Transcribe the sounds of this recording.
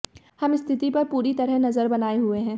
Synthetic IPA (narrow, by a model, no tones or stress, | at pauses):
hɐmɪst̪ʰɪt̪ipɐɾpuːɾit̪ɐɾəɦnɐzəɾbɐnaːeɦueɦɛ̃ː